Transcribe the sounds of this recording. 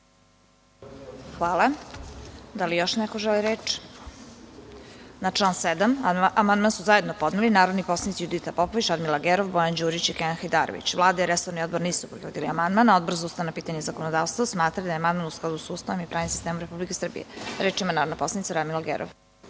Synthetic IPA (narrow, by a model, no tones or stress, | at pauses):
xʋaːlˠa | d̪alijo̞ʃnɛkoʒeliɾeːt͡ʃ | naʈ͡ʂlˠaːnsed̪amamand̪mansuzajed̪nopo̞d̪nilinaːɾod̪niposlˠanit̪sijud̪it̪apopoʋit͡ɕɾad̪milaɡeɾoʋbojand͡ʑuːɾit͡ɕikeaxajd̪aːɾo̰ʋḭt͡ɕʋlˠaːd̪aiɾesoɾnio̞d̪boɾniːsupɾixʋod̪iliamand̪manaod̪brzaust̪aʋnapiːt̪aɲezakonod̪aːʋst̪vosmaːt̪ɾalid̪ajeamand̪manusklˠad̪usust̪aʋomipɾʔaːɲimsist̪emomɾepublike̞sr̩bḭjḛɾeːt͡ʃimanaːɾod̪napo̞slˠanit̪saɾad̪milaɡḛɾʔo̰ʋ